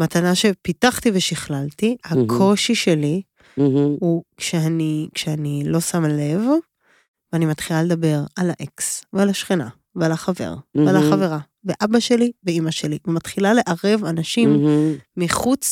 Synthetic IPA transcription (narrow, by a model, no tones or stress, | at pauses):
mat̪anaʃe̞pitaχtiveʃiχlaltihakʰo̞ʃiʃe̞li | hukʃeanikʃeanilo̞samle̞v | veanimat̪χilaled̪abe̞ʁalaʔeksvealaʃχina̰ | vealaχave̞̰ʁvealaχave̞ʁa | veʔabaʃe̞liveimaʃe̞livemat̪χilale̞ʔaʁe̞vanaʃimːiχut͡s